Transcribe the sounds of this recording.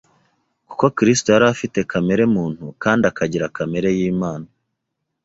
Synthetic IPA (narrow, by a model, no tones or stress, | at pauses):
ku̥ko̞kɾistoaɾafite̞kame̞ɾe̞muːn̥hukaːndiakaɟiɾakame̞ɾe̞jiːmaːna